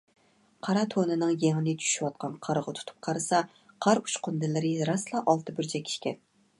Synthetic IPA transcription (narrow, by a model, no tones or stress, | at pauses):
qʰɑɾɑt̪ʰonɨnɨŋjeŋɪnɪt͡ʃ̪ʰy̥ʃywɑt̪̚qʰɑnqʰɑɾʁət̪ʰu̥t̪ʰu̥p̚qʰɑɾɨsɑ | qʰɑɾu̥ʃqʊnd̪ɨlɪɾɨɾɑslˠɑʔɑlˠt̪ɨbɪɾt͡ʃʰɛkʲʰi̥ʃkʲɛn